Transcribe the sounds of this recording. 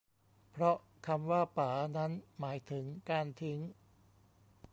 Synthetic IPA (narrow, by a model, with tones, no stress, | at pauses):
pʰɾɔ˦˥ | kʰa˧mwaː˥˩paː˩˦na˦˥nmaː˩˦jt̪ʰɯ˩˦ŋkaː˧nt̪ʰi˦˥ŋ